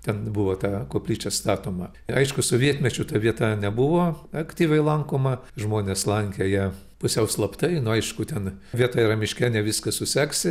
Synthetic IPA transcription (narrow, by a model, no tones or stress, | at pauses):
t̪ʲɛnbʊʋoːt̪ɑːkoːpʲlʲiːt͡ʃʲɛst̪ɑːt̪oːmɐ | ɐɪʃkʊsʊʋʲiɛt̪ʲmʲɛt͡ʃʲʊt̪ɐʋʲiɛt̪ɐnʲɛbʊʋoːɐkt̪ʲiːʋʲɛɪlˠɐŋkoːmɐʒmoːnʲeːslˠɐŋʲkʲejɛ | pʊsʲɛʊslˠɐpt̪ɐɪnʊɐɪʃkʊt̪ʲɛnʋʲiɛt̪ɐɪɾɐmʲɪʃʲkʲɛnʲɛʋʲɪskɐsʊsʲæːksʲɪ